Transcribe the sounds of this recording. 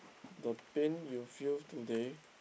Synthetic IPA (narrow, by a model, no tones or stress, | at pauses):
dəpẽnjufiltude